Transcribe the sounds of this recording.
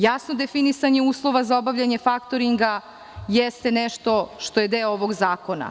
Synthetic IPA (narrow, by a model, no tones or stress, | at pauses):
jasnod̪e̞finisaɲeuːslˠo̞ʋazaobaʋʎʲaɲefakt̪o̞ɾiŋɡa | jɛst̪e̞nɛʃt̪o̞ʃt̪o̞jed̪eooʋoɡzaːko̞na̰